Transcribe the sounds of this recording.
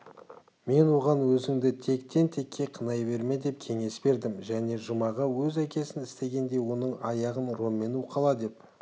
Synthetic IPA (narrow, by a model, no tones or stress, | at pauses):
me̞nwo̞ʁɑnwɵzɪŋd̪ɪt̪ʰe̞kt̪ʰe̞nt̪ʰe̞kʲːe̞qʰənɑjbe̞ɾme̞d̪e̞p̚kʲʰe̞ŋe̞sbe̞ɾd̪ɪmʒæne̞ʒəmɑʁɑwɵzækʲe̞sɪnɪst̪e̞ɡʲe̞nd̪e̞jwo̞nəɴɑjɑʁənro̞mːe̞nuqʰɑlˠɑd̪e̞p̚